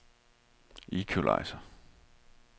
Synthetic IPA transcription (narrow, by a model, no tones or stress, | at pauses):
ikʰulʔɑ̰̈ɪsɐ